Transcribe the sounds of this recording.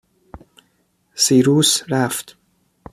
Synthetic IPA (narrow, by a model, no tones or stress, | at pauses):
siːɾuːsɾæft̪